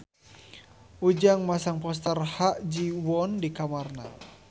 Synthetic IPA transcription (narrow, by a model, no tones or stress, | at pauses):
ud͡ʒaŋmasaŋpɔs̬t̪ərhaʔd͡ʒiwɔndikamarna̰